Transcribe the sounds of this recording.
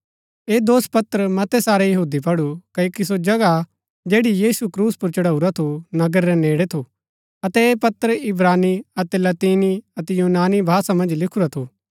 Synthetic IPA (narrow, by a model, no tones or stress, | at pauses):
eːd̪oːspɐt̪əɾmɐt̪ɛsaːɾejɐɦuːd̪ipɐɽukɐjoːkis̬od͡ʒɐɡa | d͡ʒeːɽijiːsukɾuːspʊɾt͡ʃɐɽaːuɾat̪ʰonɐɡəɾːɛneːɽet̪ʰo | ɐt̪ɛeːpɐt̪əɾɪbɾaːniɐt̪ɛlɐt̪iːniɐt̪ɛjuːnaːnibʱaːsamɐ̃nd͡ʒlɪkʰuɾat̪ʰoː